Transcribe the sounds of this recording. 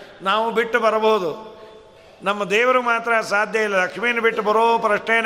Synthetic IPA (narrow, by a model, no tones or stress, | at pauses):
naːʋubiʈːubɐɾɐboɦud̪u | nɐmːɐd̪ɛːʋɐɾumaːt̪ɾɐːsaːd̪ʱjɐjilːɐlɐkʂmiːjɐnɐbiʈːubɐɾoːpɾɐʂɳeːn